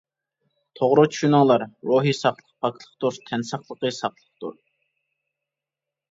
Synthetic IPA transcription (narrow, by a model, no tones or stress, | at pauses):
t̪ʰoʁɾʊt͡ʃʰy̥ʃynɨŋlˠɑɾɾoɦisɑχlˠəq̚pʰɑkʰlˠəχt̪uɾt̪ʰɛnsɑχlˠəqəsɑχlˠəχt̪ṵɾ